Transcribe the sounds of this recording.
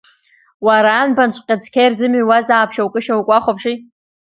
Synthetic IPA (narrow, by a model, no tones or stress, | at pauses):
waɾaːnbant͡ɕʷʰʼqʲʼad͡zkʲʰejrzɨmɥwazaːpʰʃawkʼɨʃawkʷʼaχʷopʰʂi